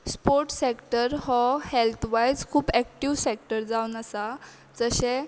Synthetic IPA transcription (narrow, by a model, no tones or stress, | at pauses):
spoɾʈsekʈəɾɦɔhelt̪ʰʋajd͡zkʰuːpɛkʈiʋsek̚ʈəɾd͡zaunəsa | d͡zəɕɛ̃